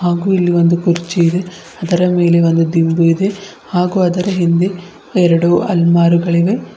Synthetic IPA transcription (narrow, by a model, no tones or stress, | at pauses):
haːɡuːilːiʋo̞nd̪ukuɾt͡ʃiid̪e̞ | ɐd̪ɐɾɐme̞ːle̞o̞nd̪ud̪imbuid̪e̞ | haːɡuːɐd̪ɐɾɐɦind̪e | ɛɾɐɽuʔɐ̰lmaːɾuɡɐɭiʋe̞